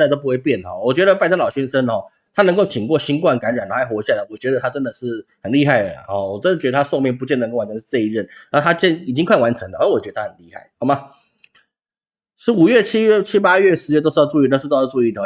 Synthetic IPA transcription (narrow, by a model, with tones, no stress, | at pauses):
ɪt̪o˥ʊpu˧˥we˥˧ɪpjɛ˥˨˩nə˨˩ɔ˨˩wɔ˨˩t͡ɕɥɛ˧˥ɾə˧pa˥˩ɪə˥ŋlɑ˨˩ʊɕɥɛ˥nʂə˦nxɔ˨˩ | t̪ʰa˥nə˧˥ŋko˥˩ʊt̪ʰi˨˩ŋkwɔ˥˩ɕi˥nkwa˥˩nka˧˥nɻa˨˩na˨˥a˥ɪxwɔ˧˥ɕja˥˩lə˨˩wɔ˨˩t͡ɕɥɛ˧˥d̪ə˧t̪ʰa˥ʈ͡ʂə˦˥nd̪ə˨˩ʂɻ̩˥˩hə˨˩nli˥˧xa˥˩ɪlə̰˩hɔ˨˩wɔ˨˩ʈ͡ʂə˥ndə˨˩t͡ɕɛ˧˥ə˧t̪ʰa˥ʂo˥˧ʊmjɛ˥˩np̬u˧t͡ɕjɛ˥˩nə˧ŋko˥˩wa˨˥nʰt͡ɕʰə˧˦ʂɻ̩˥˧ʈ͡ʂə˥˧i˥˧ɻə˥˩nna˥˧t̪ʰa˥t͡ɕɛ˥˨ni˨˩t͡ɕi˥ŋkʰwa˥˩ɪwa˧˥nʈ͡ʂʰə˧˥ŋd̪ə˨˥˨wɔ˨˩t͡ɕɥɛ˧˥d̪ə˩tʰa˥ə˨˩nli˥˧xa˥˩ɪɔ˧˩ma˧ | ʂɻ̩˧˥u˨˩ɥɛ˥˩t͡ɕʰi˥ɥɛ˥˨t͡ɕʰi˥pa˥ɥɛ˥˨ʂɻ̩˧˦jɛ˥˧o˥ʂ̩˥˧˥u˧i˥˧˩ʈ͡ʂu˥˧˥i˥˩d̪ə˩˨